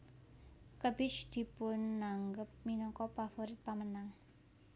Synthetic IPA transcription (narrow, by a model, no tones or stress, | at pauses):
kəb̥ɪt͡ʃd̪̥i̤pʊnːaŋɡəp̚minɔkɔpafoɾɪt̪̚pamənaŋ